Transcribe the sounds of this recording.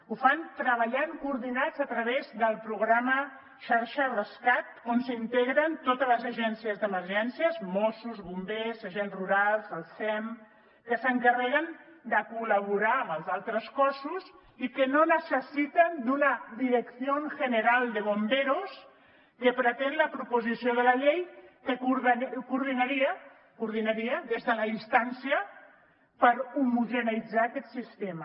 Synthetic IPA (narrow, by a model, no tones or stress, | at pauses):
ufant̪ɾəβ̞əʎaŋkuːɾðinazət̪ɾəβezðəlˠpɾuɣɾamə | ʃaɾʃərəskat̪̚onsint̪eɣɾənt̪ot̪ələzəʒɛnsiəzðəməɾʒɛnsiəzmosuzβumbezəʒɛnsruɾalˠzəlˠsɛm | kəsəŋkərɛɣ̞ənd̪əkuləβ̞uɾaəməlˠzalˠt̪ɾəskɔsuz | ikənonəsəsit̪ənd̪unəðiɾəksionʒənəɾalˠd̪əβombeɾos | kəpɾət̪enləpɾupuzisioðəlɐʎejkəkuɾðkuɾðinaɾiə | kuɾðinaɾiəðezðəlaist̪ansiə | pəɾumuʒənid͡zaːkɛt̪sist̪emə